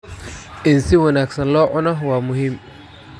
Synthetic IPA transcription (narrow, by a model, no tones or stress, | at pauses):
ʔɪnsɪwɐnaːɡsɐnlɔːʕʊnɐɦwaːmʊɦɪm